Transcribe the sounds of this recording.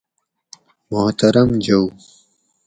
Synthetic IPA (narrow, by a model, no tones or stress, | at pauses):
mʊht̪ɐɾɐmd͡ʑɐw